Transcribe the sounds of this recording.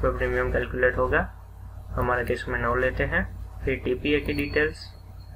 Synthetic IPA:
epɾiːmiəmkɛːlkjʊleːʈɦoːɡaː | hɐmaːɾekesmẽnɔ̃ːleːt̪eɦɛ̃ːpʰɪɾʈiːpiekeɖiːʈeːls

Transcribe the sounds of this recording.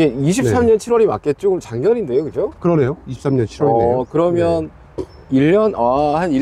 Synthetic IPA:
eiɕ̬ʰin̚s͈amɲʌnt͡ɕʰiɾwʌɾima̰k͈e̞t̚t͡ɕ͈oɡɯmt͡ɕaŋɡjʌɾinde̞jokɯd͡ʑokɯɾʌne̞joiɕʰi̥p̚s͈amɲʌnt͡ɕʰiɾwoʌkɯɾʌmjʌn | iʎːʌnahani

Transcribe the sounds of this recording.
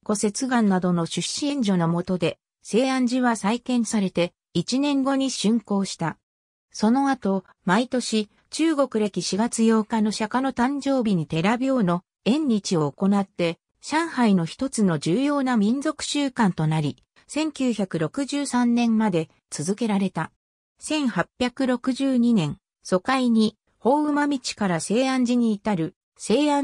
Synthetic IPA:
ko̞se̞t͡sɨɡãnːad̪o̞no̞ɕɨɕiẽ̞ɲ̟d͡ʑo̞no̞mo̞t̪o̞d̪e̞ | se̞ːãɲ̟d͡ʑiβasaikẽ̞ɰ̃saɾe̞t̪e̞ | it͡ɕinẽ̞ŋɡo̞ɲ̟iɕɨ̃ŋko̞ːɕi̥t̪a | so̞no̞at̪o̞ | mait̪o̞ɕi | t͡ɕɨːɡo̞kɯ̟ɾekʲiɕiɡat͡sɨjo̞ːkano̞ɕakano̞t̪ãɲd͡ʑo̞ːbʲiɲ̟it̪e̞ɾabʲo̞ːno̞ | ẽ̞ɲːʲit͡ɕio̞ːko̞nat̪ːe̞ | ɕãɰ̃haino̞çi̥t̪o̞t͡sɨno̞d͡ʑɨːjo̞ːnamʲĩnd͡zo̞kɯ̟̥ɕɨːkãnt̪o̞naɾʲi | sẽ̞ŋkʲɨːçʲakɯ̟ɾo̞kɯ̟ʑɨːsãnːẽ̞mmad̪e̞ | t͡sɨzɨke̞ɾaɾe̞t̪a | sẽ̞ɰ̃hapʲjakɯ̟ɾo̞kɯ̟ʑɨːɲ̟inẽ̞ŋ̃ | so̞kaiɲ̟i | ho̞ːɯ̟mamʲit͡ɕi̥kaɾase̞ːãɲ̟d͡ʑiɲ̟iːt̪aɾɯ̟ | se̞ːã

